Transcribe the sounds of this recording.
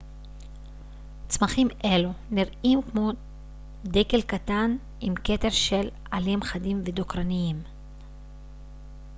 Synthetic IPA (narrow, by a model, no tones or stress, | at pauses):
t͡smaχimʔe̞luniʁimkmo̞ | deke̞lkat̪an | imke̞te̞ʁʃe̞lʔalimχadimved̪okʁaniim